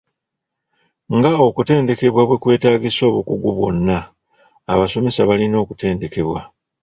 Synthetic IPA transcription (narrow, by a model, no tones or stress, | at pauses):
ŋɡao̞kute̞ːndeke̞βwaβwe̞kwe̞ːtaːɡiso̞ːβukuɡuβwo̞̰nːaː | βaso̞me̞saβalino̞ːkute̞ːnde̞ke̞βwa̰